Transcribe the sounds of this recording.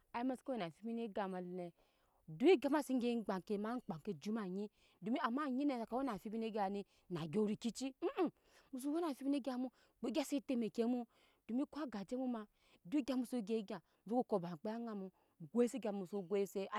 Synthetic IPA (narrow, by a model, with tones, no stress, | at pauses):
a˨i˦ma˦sko˦e˨na˨fi˦mi˦ne˦ɡa˨ma˨li˨ne˨ | du˦i˦ɡa˦ma˦si˦e˦ɡ͡ba˨ŋ˨ke˨ma˦k͡pa˨ŋke˦d͡ʒu˦ma˨ɲi˦ | du˨mi˦a˨ma˦˨ɲi˦ne˨ka˨wo˦na˨fi˦bi˦ne˦ɡʲa˨ni˦ | na˨ɡʲo˦ɾi˨ki˦t͡ʃi˦˨ | mu˨s̬u˦wo˦na˨fi˦bi˦ne˦ɡʲa˦mu˦ | k͡pe˦ɡʲa˦si˦te˦me˨ke˦mu˦ | d̥u˨mi˦kʷa˦ɡa˨d͡ʒe˦mu˦ma˨ | du˦i˦ɡʲa˦mu˨su˦ɡe˦ɡʲa˨u˦ku˦ko˨ba˨k͡pe˦a˦ŋa˨mu˨ | ɡʷo˦e˦se˦ɡʲa˨mu˨su˦ɡʷo˦se˦˨˦